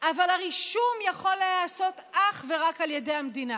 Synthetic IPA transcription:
ʔavalhaʁiʃumjaχo̞lːeaso̞tʔaχve̞ʁakaljede̞jamd̪ina

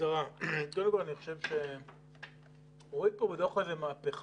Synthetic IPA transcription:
aʁakold̪emkolaniχo̥ʃevʃe | oʁid̪̚pobet̪oχezemaːpeχ

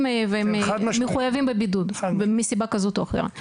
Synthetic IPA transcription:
mveemad̪meχujavimbebid̪ud̪misibakazo̞t̪oaχḛʁa̰

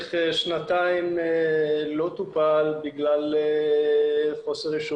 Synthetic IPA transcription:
χʃnat̪aim | lo̞t̪upalbiɡlale | χo̞seʁiʃu

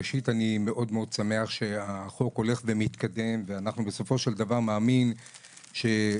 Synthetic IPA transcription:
eʃitanime̞ʔo̞dmeo̞d̪̚same̞aχʃe̞aχo̞ko̞le̞χvemit̪kad̪e̞mveanaχnubeso̞fo̞ʃeld̪avaʁmaːmin | ʃe̞

